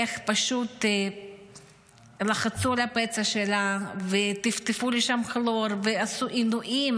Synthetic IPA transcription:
eχpaʃut̪ | laχat͡sulapet͡saʃelavet̪ift̪efuliʃamxloɾveasuʔinuʔim

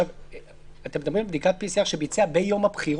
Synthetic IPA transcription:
av | at̪emed̪amʁimlebd̪ikat̪̚pisiaχʃebit͡seabejo̞mabχiʁ

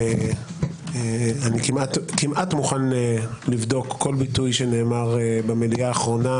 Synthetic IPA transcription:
e | anikimatkimʔatmuχanelivdo̞kːo̞lbitujʃene̞ːmaʁebemelijaːχʁo̞na

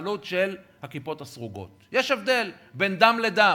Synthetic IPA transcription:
lutʃel | hakipo̞tasʁuɡo̞̰t̪jeʃe̞vd̪e̞l | be̞nd̪amled̪a

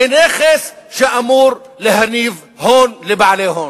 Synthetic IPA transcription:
ɪneːxɪsʃaʔamuːɾ | lɪhaniːv | hoːnlibaʕleːɦoːn

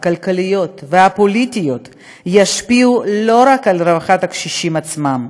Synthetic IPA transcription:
kalkalijo̞t̪veapolit̪ijo̞t̪ | jaʃpiulo̞ɾakalɾevaχat̪hakʃiʃimat͡smam

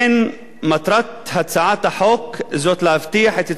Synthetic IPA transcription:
n | mat̪ɾˤɑt̪hat̪saːʕaːt̪aħoːkzoːt̪laʔft̪ɪjːaħaːt̪ɪt̪

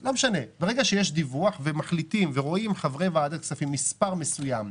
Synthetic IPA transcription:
lo̞meʃane̞beʁe̞ɡaʃejeʃd̪ivuaχve̞maχlit̪imveʁo̞imχavʁevaad̪atksafimːispaʁmesujam

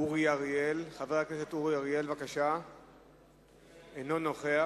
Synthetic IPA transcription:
uʁijaʁjelχavehaknesetuʁijaʁje̞lvakaʃa | eno̞no̞χea

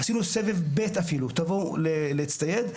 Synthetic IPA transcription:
hasinusevevbet̪afilut̪avoleleit͡st̪ajed̪

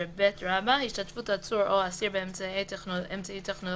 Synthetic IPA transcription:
ebetɾabahiʃtat̪futat͡suɾoasiɾbemeemt͡saitʰeχno

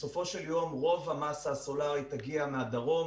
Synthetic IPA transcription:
sofoʃeljo̞mʁo̞vhamasaːso̞laʁit̪aɡiamead̪aʁo̞

